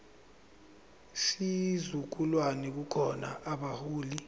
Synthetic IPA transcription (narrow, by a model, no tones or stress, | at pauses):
sizuk̬ulwanɛk̬ukʰɔna̰ʔaɓahuːli